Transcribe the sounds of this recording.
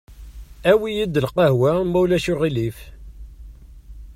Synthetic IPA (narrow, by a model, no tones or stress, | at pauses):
æwijid̪ːəlqɑhwæmæwlæʃʊʁilif